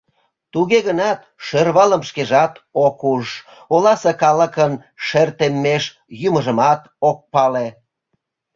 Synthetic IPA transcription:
t̪uɣeɣənɑt̪ʃørβɑləmʃkeʒɑt̪okuʃ | olɑsekɑləkən | ʃert̪emːeʃ | juməʒəmɑt̪ | ok̚pɑle

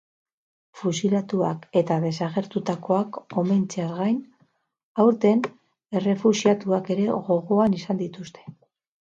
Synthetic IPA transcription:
fusilat̪uake̞t̪aðe̞saɣ̞e̞ɾt̪ut̪ako̞ako̞me̞nt͡seaɾɣajn | awɾt̪e̞n | e̞re̞fusiat̪uake̞ɾe̞ɣo̞ɣo̞anisand̪it̪ust̪e̞̥

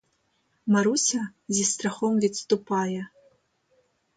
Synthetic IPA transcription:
maɾusʲɐzʲist̪ɾaxɔmvʲit̪st̪upajɛ

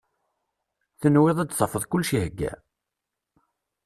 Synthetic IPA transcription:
θənwɪðˤæd̪θəfəðˤkʊlːʃihəɡːæ̰

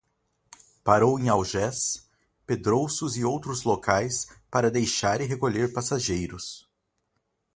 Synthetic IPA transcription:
paɾowẽj̃awʒɛs | ped̪ɾowsʊzɪowt̪ɾʊzlokʰajspaɾɐd̪ejʃaɾɪɦekoʎeɾpasaʒejɾʊs

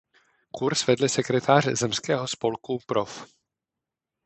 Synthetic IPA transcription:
kuɾsvɛdlɪsɛkɾɛt̪ʰaːr̥zɛmskɛːɦospo̞lkupɾof

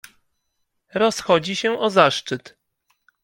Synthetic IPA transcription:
ɾɔsxɔd͡ʑiɕɛʔɔzaʂt͡ʂɘt̪

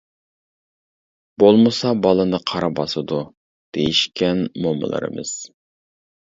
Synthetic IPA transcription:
b̥olˠmɨsɑbɑlˠɨnɨqʰɑɾɑbɑsɨd̪u | d̪̥ejiʃkʲɛnmomɨ̰lˠɨ̰ɾɨ̰mɨ̰z̥

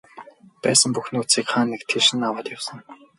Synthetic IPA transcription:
pæːsə̆mpuxnoːt͡siːkχaːnːekt̪ʰeʃɘ̆nːawaːt̪jawsə̆ŋ

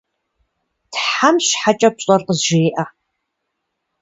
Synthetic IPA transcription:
tʰħamʃħat͡ʃʼɐp̚ɕʼɐrqəzʒeːʔa

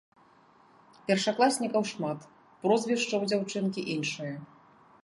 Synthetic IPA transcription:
pʲɛrʂaklˠasʲnʲikɐwʂmat̪ | pɾɔzvʲiʂt͡ʂɐwd͡zʲawt͡ʂɨnkʲiʔinʂɨjɐ

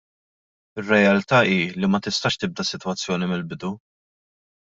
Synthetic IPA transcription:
ɪrːɛjɐlt̪ɐːiːlimɐt̪ɪst̪ɐʃt̪ɪb̚d̪ɐsɪt̪wɐt͡sːjɔːnimɪlbɪd̪u

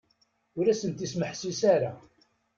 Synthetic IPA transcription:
ʊɾæsənt̪isməħsisaɾa

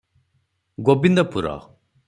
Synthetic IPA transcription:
ɡobind̪ɔpuɾɔ̰

